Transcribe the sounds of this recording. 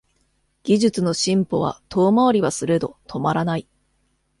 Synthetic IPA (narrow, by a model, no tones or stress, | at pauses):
ɡ̥ʲiʑɨt͡sɨno̞ɕĩmpo̞β̞a̰t̪ʰo̞ːmaoɾʲiβasɨɾe̞d̪o̞t̪ʰo̞maɾanai